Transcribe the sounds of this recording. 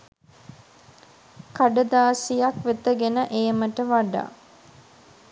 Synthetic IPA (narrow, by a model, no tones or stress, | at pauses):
kaɖəd̪aːsijakʋet̪əɡenəʔejəməʈəʋaɖa̰ː